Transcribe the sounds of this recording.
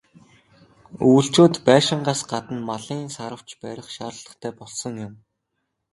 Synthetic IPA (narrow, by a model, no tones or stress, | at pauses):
uːɬt͡ɕoːt̪pæːʃɪ̆ɴɢaːsɢat̪ə̆nmaɮiːnsaɾə̆w̥t͡ɕpæɾʲɪ̆χʃaːɾə̆ɮə̆χt̪ʰæːpɔɮsɞ̆ŋjʊm